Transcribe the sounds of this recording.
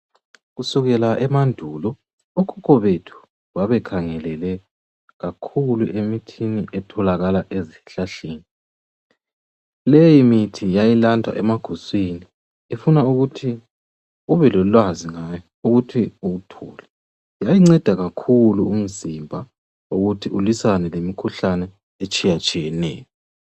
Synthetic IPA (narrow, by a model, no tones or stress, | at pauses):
ɣusuɣɛlaʔɛmandʱuːlɔ | ukʰukʰʼɔβetʰu̥ | waβɛkʰaŋɛlɛlɛ | ɣakʰuluʔemitʰiniʔɛtʰɔlaɣalaʔeziɬaɬeːni | lejimitʰijajilandʱwa̰ʔɛmaɡ̥ʱuswini | efunauɣutʰi | uβɛlɔlwaziŋajɔ | uɣutʰiuɣutʰɔ̰ːlɛ | jajiŋ͡ǀɛd̥ʱaɣakʰuluum̩zimbʱa | uɣutʰiulisanɛlemikʰuɬanɛ | et͡ʃʼijat͡ʃʼijɛnɛ̰ːjɔ